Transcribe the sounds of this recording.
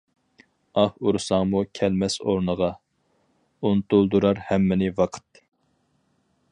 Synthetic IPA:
ɑhuɾsɑŋmukʲʰɛlmɛso̰ɾnəʁɑ | unt̪ulˠd̪uɾɑɾhɛmːɪnɪvɑqʰə̥t̪ː

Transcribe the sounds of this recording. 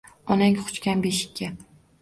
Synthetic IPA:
ɒnaŋχʊ̥t͡ʃkʲanbeʃɪ̥kʲʰːa

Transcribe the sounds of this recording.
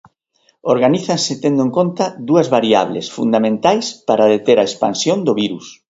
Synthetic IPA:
oɾɣaniθansɪt̪end̪oẽŋkont̪ɐðuɐzβaɾia̰β̞lḛsfṵnd̪amẽnt̪ajspaɾaðet̪eɾaespansjond̪ʊβiɾus

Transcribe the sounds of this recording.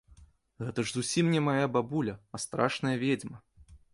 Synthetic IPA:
ɣɛt̪ɐʐzusʲimnʲɛmajababulʲɐɐst̪ɾaʂnɐjɐvʲed͡zʲmɐ

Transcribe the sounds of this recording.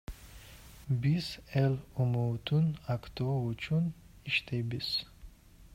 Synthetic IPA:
bisɛlumut̪ʰunakʰt̪ʰovut͡ʃʰun | iʃt̪ʰebis

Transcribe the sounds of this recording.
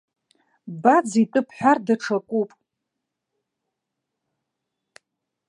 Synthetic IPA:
bad͡zitʼɨpʰħʷᶣardaʈ͡ʂʰakʷʼupʼ

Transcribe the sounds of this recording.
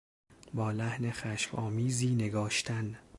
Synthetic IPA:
bɒːlæhnexæʃmɒːmiːziːne̞ɡɒːʃt̪ʰæn

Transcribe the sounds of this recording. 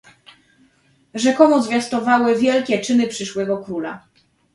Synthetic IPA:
ʐɛkɔmuzvʲjast̪ɔvawɘvʲjɛlkʲɛt͡ʂɘnɘpʂɘʂwɛɡɔkɾula̰

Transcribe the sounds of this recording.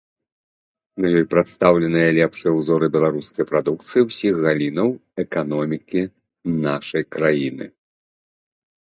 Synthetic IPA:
nɐjɔjpɾat̪st̪awlʲɛnɨjɐlʲɛpʂɨjɛwzɔɾɨbʲɛlˠaɾuskɐjpɾad̪ukt̪sɨjiwsʲixɣalʲinɐwɛkanɔmʲikʲi | naʂɐjkɾajinɨ̰

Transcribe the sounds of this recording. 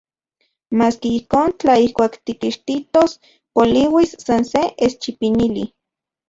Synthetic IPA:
maːskiihkoːnt͡ɬaihkʷaːkt̪ikiʃt̪it̪os | poliwisːanseʔest͡ʃipinili

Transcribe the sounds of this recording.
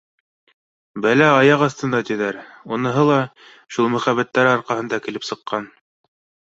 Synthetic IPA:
bælæɑjɑqɑst̪ɤ̆nd̪ɑt̪ĭðæɾunɤ̆ɦɤlˠɑ | ʃulˠmɵ̆χæβæt̪ːæɾɘɑɾqɑhɤ̆nd̪ɑkɘ̆lɘpsɤ̆qːɑn

